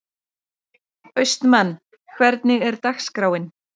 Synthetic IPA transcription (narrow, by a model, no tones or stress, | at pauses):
œɥst̪nmanː | kʰvɛɾt̪nɪɣɛɾ̥t̪axskɾawɪn